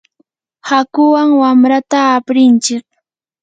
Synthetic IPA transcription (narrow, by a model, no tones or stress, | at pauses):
hakʊwaŋwamɾat̪aːpɾɪnt͡ʃɪk̚